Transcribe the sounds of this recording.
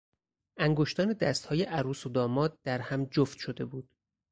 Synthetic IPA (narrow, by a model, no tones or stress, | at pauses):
ʔæŋɡoʃt̪ɒːned̪æst̪hɒːjeʔæɾuːsod̪ɒːmɒːd̪̚d̪̥æɾhæmd͡ʒoft̪ʃod̪e̞buːd̪̥